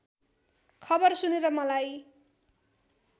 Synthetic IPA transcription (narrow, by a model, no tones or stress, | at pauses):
kʰʌbʌrsuneɾʌmʌlaj